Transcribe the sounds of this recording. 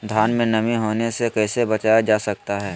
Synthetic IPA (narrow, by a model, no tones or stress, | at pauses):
d̪ʱjaːnmẽnɐmiɦoːnesekɛːsebɐt͡ʃaːjad͡ʒaːsɐk̚t̪aɦɛː